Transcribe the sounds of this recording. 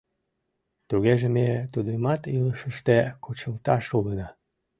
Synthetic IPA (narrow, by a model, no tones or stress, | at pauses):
t̪uɣeʒemet̪ud̪əmɑt̪iləʃəʃt̪ekʰot͡ɕəlt̪ɑʃulənɑ